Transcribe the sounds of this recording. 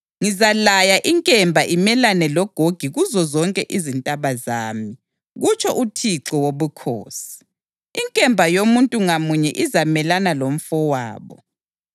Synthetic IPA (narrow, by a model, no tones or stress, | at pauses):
ŋizalajaʔiŋkʼɛmbʱaʔimɛlanɛlɔɡ̥ʱoɡ̥ʱiɣuzɔzɔŋkʼɛʔizintʼaβazaːmi | ɣut͡ʃʰʼɔʔutʰiǁɔwoβukʰo̰ːsi̥ | iŋkʼɛmbʱajomuntʼuŋamuɲɛʔizamɛlanalom̩fɔwaːβɔ̰